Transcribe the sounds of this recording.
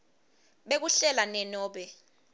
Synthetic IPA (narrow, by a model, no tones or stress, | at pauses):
ɓek̬uɬɛlanɛnɔːɓɛ